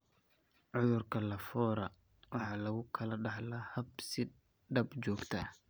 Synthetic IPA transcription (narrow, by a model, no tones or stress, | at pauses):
ʕʊðʊrkʰɐlɐfɔːɾɐ | wɑħɑːlɐɣʊkʰɐlɐɖɑħlɐhɐbsɪ | ɖɐbt͡ʃɔːɡt̪ʰɐ